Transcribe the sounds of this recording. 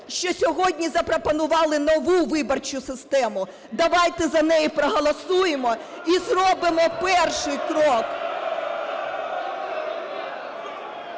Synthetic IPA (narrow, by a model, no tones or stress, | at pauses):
ʃt͡ʃɔsʲɔɦɔdʲnʲizɐpɾɔpɔnʊʋɑlˠɪnɔʋuʋɪbɔrt͡ʃʊsɪst̪ɛmʊ | d̪ɐʋɑjt̪ɛzɐnɛjipɾɔɦɔlˠɐsujemɔ | izrɔbɪmɔpɛrʃɪjkɾɔk